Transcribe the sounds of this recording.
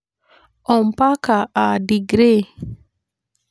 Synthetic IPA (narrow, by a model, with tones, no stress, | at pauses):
ɔ˨m̩˨pa˦ka˨a˨di˨ɡɾe˦˨